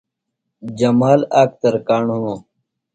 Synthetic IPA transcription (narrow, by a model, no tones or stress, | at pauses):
d͡ʑɐmaːlaːk̚t̪ɐɾkaːɳɦunoː